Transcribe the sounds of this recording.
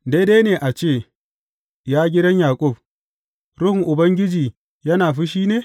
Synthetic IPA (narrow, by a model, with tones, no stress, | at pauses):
de˦deː˦neː˨ʔa˨t͡ʃeː˦˨ | jaː˦ɡʲɪ˦dɐ˦ɲjaː˨kʷʼʊ˦˨b̚ | ɾʊ˦hɪ˨ŋʔʊ˨bɐ˦ŋɡʲɪ˦d͡ʒiː˨ | jɐ˦naː˨ɸi˦ʃ̬iː˦neː˨